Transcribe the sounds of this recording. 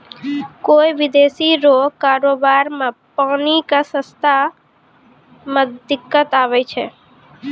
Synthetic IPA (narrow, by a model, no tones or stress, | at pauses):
koːiʋɪd̪eːsiɾokaːɾoːbaːɾmãpaːnikasə̃st̪ʰa | məd̪ɪkːət̪aːʋɛt͡ʃʰɛ̰